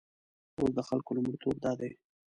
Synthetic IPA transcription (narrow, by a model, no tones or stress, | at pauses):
osd̪əxalkolʊmɽit̪ob̚d̪ɑd̪aj